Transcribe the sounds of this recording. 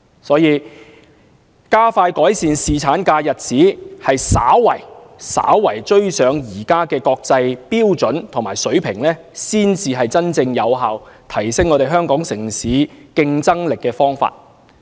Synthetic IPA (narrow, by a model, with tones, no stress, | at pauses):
sɔː˨˥jiː˨˧ | kaː˥faː˧jkɔː˨˥jsiː˨nsiː˨˩t͡sʰaː˨˥nkaː˧jɐ˨t̚t͡siː˨˥hɐ˨jsa̰ː˨˥wwɐ˨˩jsa̰ː˨˥wwɐ˨˩jt͡ʃɵ˥ɥsœː˨˧ŋjiː˨˩kaː˥kɛː˧kɔː˧k̚t͡sɐ˧jpiː˥wt͡sɵ˨˥nt̪ʰŋmaː˨˩jsɵ˨˥ɥpʰɪ˨˩ŋlɛː˥ | siː˥nt͡siː˧ɦɐ˨jt͡sɐ˥nt͡sɪ˧ŋjɐ˨˧wɦaː˨wt̪ʰɐ˨˩jsɪ˥ŋːɔː˨˧ɾe˨jɦœː˥ŋkɔː˨˥ŋsɪ˨˩ŋsiː˨˥kɪ˧ŋt͡sɐ˥ŋlɪ˨kːɛː˧fɔː˥ŋfa̰ː˧t̚